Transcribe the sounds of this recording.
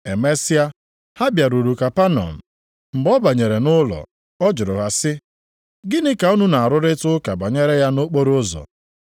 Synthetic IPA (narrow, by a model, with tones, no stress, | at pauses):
e˨me˦sɪ˦a˦ | ha˦bja˨ɾu˨ɾu˨ka˨pa˦nɔ̰˨n̩˨ | m̩˨bɔ˦ba˨ɲe˨ɾe˨nʊ˦lɔ̰˨ | ɔ˦d͡ʒʊ˨ɾʊ̰˨ɦa˨sɪ˦ | ɡɪ˦nɪ˦ka˨u˦nu˦na˨a˨ɾʊ˦ɾɪ˦tʊ˦ka˨ba˨ɲe˦ɾe˦ja˦no˦k͡po˦ɾʊ˦zɔ̰˨